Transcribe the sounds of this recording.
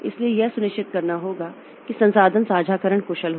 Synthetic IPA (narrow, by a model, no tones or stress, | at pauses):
ɪ̰sliejɛɦsʊnɪʃt͡ʃɪt̪̚kɐɾnaɦoːɡa | kisɐ̃nsaːd̪ʱənsaːd͡ʒʱaːkəɾəɳkoːʃəlɦo